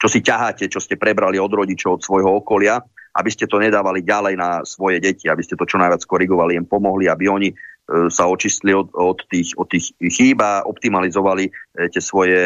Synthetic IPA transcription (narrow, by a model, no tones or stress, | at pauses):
t͡ʃɔsicaɦaːcɛt͡ʃɔscɛpɾɛbɾaliɔd̪ɾɔɟit͡ʃɔʊɔt̪sʋɔjɦɔɔkɔlɪaʔa̰biscɛt̪ɔɲɛd̪aːʋaliɟalɛjnasʋɔjɛɟɛciabiscɛt̪ɔt͡ʃɔnajʋat͡skɔɾiɡɔʋalijɛmpɔmɔɦliabiɔɲisaɔt͡ʃiscliɔɔt̪ːiːxɔt̪ːiːxxiːbaʔɔpt̪imalizɔʋalicɪɛsʋɔjɛ